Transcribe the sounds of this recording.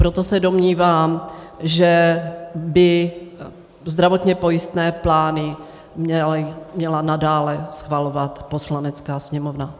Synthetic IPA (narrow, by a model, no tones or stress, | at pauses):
pɾot̪osɛdomɲiːvaːmʒɛ | bɪ | zd̪ɾavot̪ɲɛpo̞jɪst̪nɛːplaːnɪ | mɛmɲɛlanadaːlɛsxvalovat̪po̞slanɛt͡skaːsɲɛmovna